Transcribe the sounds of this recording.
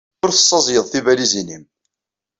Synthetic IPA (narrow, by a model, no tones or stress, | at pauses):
ʊɾθə̥sˤːɑzˤjəðˤθivælizinim